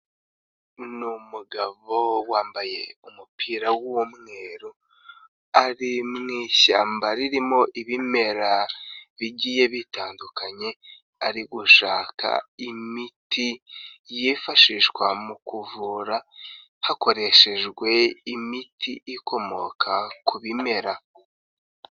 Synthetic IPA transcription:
numuɡaβo̞waːmbaje̞umupʰiːɾawuwomŋe̞ːɾo | aɾimŋiːɕaːmbaɾiɾimo̞ʔiβime̞ɾaβiɟiːje̞βitaːndukʰaɲe̞ | aɾiɡuʃaːkʰa̰imitʰijiːfaʃiʒɡwamukuvuɾa | hako̞ɾe̞ʃe̞ʒɡwe̞imitʰiʔikʰo̞mo̞kʰakuβime̞ɾa

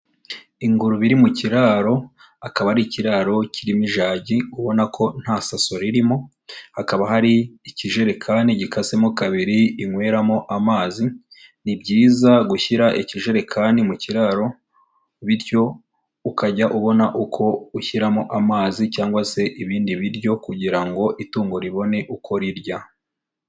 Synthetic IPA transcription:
iŋɡuɾuβiɾimuciɾaɾo̞ | akaβaɾiciɾaɾo̞cʰiɾimiʒaːɟiuβo̞nakʰo̞n̥hasaso̞ɾiɾimo̞ | hakaβaɦaɾiːciʒe̞ɾe̞kʰaniɟikase̞mokaβiɾiːŋwe̞ːɾamoʔamaːzi | nibɟiːzaɡuçiɾaʔiciʒe̞ɾe̞kʰaːnimuciɾaɾo̞ | βiɾjo̞ | ukaɟaʔuβo̞naʔukʰo̞uçiɾamoʔamaːzicaːŋɡwase̞ʔiβiːndiβiɾjo̞kuɟiɾaŋɡo̞ʔituːŋɡoɾiβo̞ne̞ʔukʰo̞ɾiɾɟa

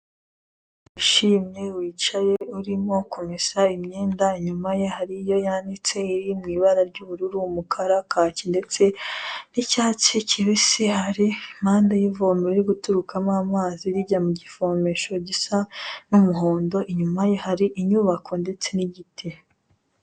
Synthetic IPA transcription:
uʃiːmɲe̞wiːt͡ʃaje̞uɾimo̞kʰomisaimɲeːndaiɲumajeɦaɾijo̞jandit͡se̞iɾimŋiːβaɾaɾɟuβuɾuɾumukʰaɾakʰacinde̞t͡se̞nicaːt͡ʃiciβisihaɾimhaːndajivomeɾiɾiɡutuɾukʰamaːmaːziɾiɟamuɟifomeʃo̞ɟisanumuɦo̞ːndo̞ʔiɲumaje̞haɾiʔiɲuːβakʰo̞nde̞t͡se̞niɟitʰe

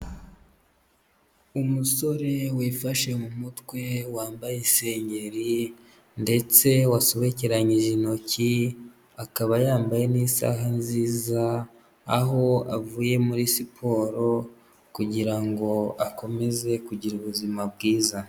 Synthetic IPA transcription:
umuso̞ɾe̞wifaʃe̞mumutwe̞waːmbajese̞ːɲɟe̞ɾi | nde̞t͡se̞wasoβeceɾaɲiʒino̞ci | akaβajaːmbaje̞nisa̰ɦanziːzaː | ɦo̞a̰vuːje̞muɾisipʰo̞ːɾo̞ | kuɟiɾaŋɡo̞ako̞me̞ze̞kuɟiɾuβuzimabɡiːza

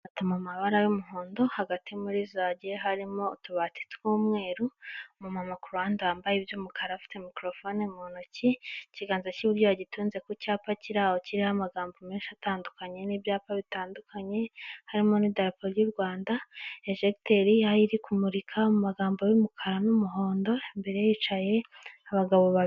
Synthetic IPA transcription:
atamamaβaɾajomuɦoːndo̞haɡatimuɾizaɟeɦaɾimo̞ːtuβati̥twoːmŋe̞ːɾumumamakuɾuaːndeaːmbajibjomukʰaɾafi̥te̞mikɾo̞fo̞nemonociciɡaːnzaciβuɾɟoβaɟituːnze̞kocaːpaciɾaːho̞ciɾihamaɡaːmbo̞meːnʃiataːndukaɲe̞nibjaːpaβitaːndukaɲe̞haɾimo̞nidaɾapoɾijuɾɡwaːndaeʒekteɾihaiɾikumuɾikʰamumaɡaːmbojumukʰaɾanumuɦo̞ːndo̞embe̞ɾe̞jit͡ʃaje̞aβaɡaβoβa

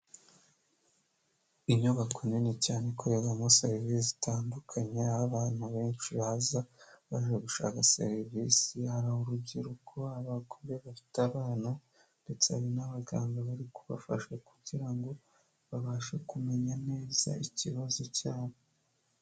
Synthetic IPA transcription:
iɲuβakʰoninecaːnekʰoɾeɡamosaɾivizitaːndukʰaɲeaβaβaːnhuβe̞ːnt͡ʃiβazaβaʒeɡuʃa̰ːkaseɾiviːsihaɾahoɾubɟiɾukʰo̞aβakomeβafi̥taβaːna | nde̞t͡seaβinaβaɡaːmboβaɾikuβa̰faʃekuɟiɾaŋɡo̞ | βaβaːʃekume̞ɲane̞ːz̥a̰iciβazocaːne

